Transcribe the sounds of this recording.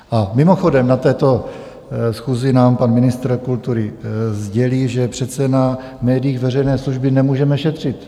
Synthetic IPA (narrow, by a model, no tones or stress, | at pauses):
ʔamɪmoxo̞dɛmnat̪ɛːt̪o̞ | sxuːzɪnaːmpanmɪnɪst̪ɾkult̪uɾɪzɟɛliːʒɛpr̝̥ɛt̪sɛna | mɛːdɪjiːɣvɛr̝ɛjnɛːsluʒbɪnɛmuːʒɛmɛʃɛt̪r̝̥ɪt̪